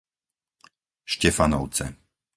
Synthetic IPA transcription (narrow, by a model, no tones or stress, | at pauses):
ʃcɛfanɔʊt͡sɛ̰